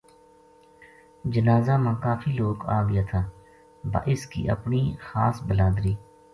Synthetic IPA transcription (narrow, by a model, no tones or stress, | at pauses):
d͡ʒənaːzaːmãːkaːfʰiːloːɡaːʋɪjaːt̪ʰaː | ba̰ːʔɪskḭːʔə̰pniːxaːsbəlaːd̪ɾiː